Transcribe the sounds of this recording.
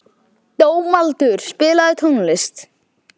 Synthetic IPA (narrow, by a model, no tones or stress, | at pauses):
t̪oːwmalt̪ʏɾ̥spɪːlaðɪt̪ʰunlɪst̪